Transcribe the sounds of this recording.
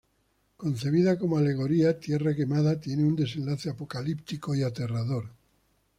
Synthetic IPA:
ko̞nθe̞β̞iðako̞moale̞ɣ̞o̞ɾiat̪je̞rake̞maðat̪jeneund̪e̞sẽ̞nlaθeapo̞kalipt̪iko̞iat̪e̞raðo̞ɾ

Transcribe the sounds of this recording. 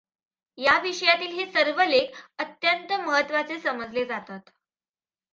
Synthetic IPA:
jaʋiʂəjat̪iːlɦesəɾʋəlekət̪jənt̪əməɦət̪ːʋat͡sesəməd͡zled͡zat̪at̪

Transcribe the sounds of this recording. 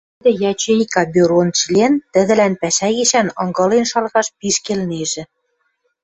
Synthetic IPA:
d̪ɘ̆jɑt͡ɕejkɑbʲyɾont͡ɕilʲent̪ɘ̆ðɘ̆lænpæʃæɣiʃænɤ̰̆ŋɡɤ̆lenʃɑlɣɑʃpiʃkelneʒɘ̆

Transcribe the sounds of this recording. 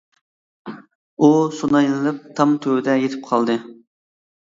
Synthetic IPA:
usunɑjlɨlˠɨp̚t̪ʰɑmt̪ʰøwd̪ɛjet̪ʰɪ̥p̚qʰɑlˠd̪ɨ

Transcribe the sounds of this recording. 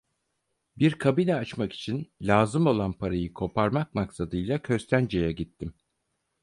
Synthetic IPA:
biɾkʰabinɛat͡ʃmaki̥t͡ʃʰinlʲaːzɯmo̞lˠanpʰaɾajɯkʰo̞pʰaɾmak̚maksad̪ɯjlˠakʰøɾst̪ʰʲænd͡ʒe̞jɛɟit̪ʰːim

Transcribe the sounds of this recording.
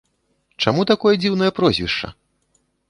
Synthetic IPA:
t͡ʂamut̪akɔjɐd͡zʲiwn̪ɐjɐpɾɔzʲvʲiʂt͡ʂɐ̰

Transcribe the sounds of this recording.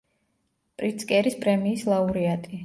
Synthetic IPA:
pʼɾit̪sʼkʼɛɾispʼɾɛmiːslˠauɾiat̪ʼi

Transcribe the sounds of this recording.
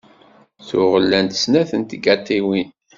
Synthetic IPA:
θʊʁəlːænt̪ə̥snæθənt̪əɡæt̪ːiwin

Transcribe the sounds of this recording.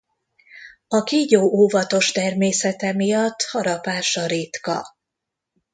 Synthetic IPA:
ɒkiːɟoːʔoːvɒt̪o̞ʃt̪ɛrmeːsɛt̪ɛmijɒt̪ːhɒɾɒpaːʃɒɾit̪kɒ̰

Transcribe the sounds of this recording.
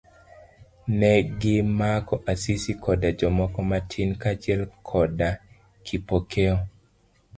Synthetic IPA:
nɛɡɪmakɔʔasisikʰɔdad͡ʒɔmɔkɔmatʰinkat͡ʃiɛlkʰɔda | kʰipokʰeɔ

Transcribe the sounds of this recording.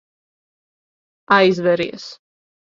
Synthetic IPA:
ajzvɛɾḭɛs

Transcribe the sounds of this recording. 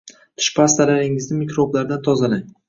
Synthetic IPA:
t̪ʰʊ̥ʃpʰast̪alaɾɪŋɪznɪmikɾoblaɾd̪ant̪ʰɒzalaŋ

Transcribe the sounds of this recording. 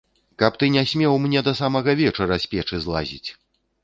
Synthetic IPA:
kɐpt̪ɨnʲasʲmʲɛwmnʲɛd̪ɐsamɐɣɐvʲɛt͡ʂɐɾɐsʲpʲɛt͡ʂɨzlˠa̰zʲḭt͡sʲ

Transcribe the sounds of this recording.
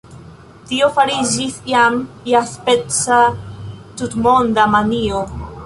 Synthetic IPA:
tio̞faɾid͡ʒisjam | jaspet͡sa | tutmo̞ndamanio

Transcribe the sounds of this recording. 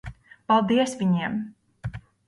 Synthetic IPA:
palˠd̪iɛsvʲiɲiɛm

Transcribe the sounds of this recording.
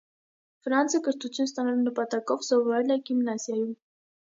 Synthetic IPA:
fɾɑnt͡sʰəkəɾt̪ut͡sʰjuns̬t̪ɑnɑlunəpɑt̪ɑkɔvsɔvɔɾɛlɛɡimnɑsjɑjum

